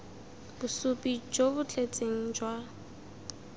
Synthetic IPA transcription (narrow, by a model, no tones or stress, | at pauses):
b̥ʊsupʼid͡ʒobʊt͡ɬʰʼet͡sʼeŋ̩d͡ʒwa